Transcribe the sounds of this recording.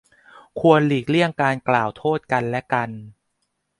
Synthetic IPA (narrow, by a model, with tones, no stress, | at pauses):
kʰu˧ənliː˨˩k̚li˥˩əŋkaː˧nklaː˨˩wt̪ʰoː˥˩t̪̚ka˧nlɛ˦˥ka˧n